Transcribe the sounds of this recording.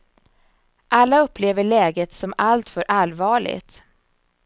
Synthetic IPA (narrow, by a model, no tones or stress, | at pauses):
ʔalːaɵpːleːvəɭɛːɡət̪sɔmalt̪fœɾʔalvɑːɭɪ̰ɡt̪